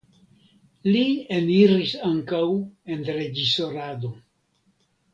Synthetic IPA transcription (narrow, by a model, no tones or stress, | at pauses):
lieniɾisaŋkawe̞nɾe̞d͡ʒiso̞ɾado̞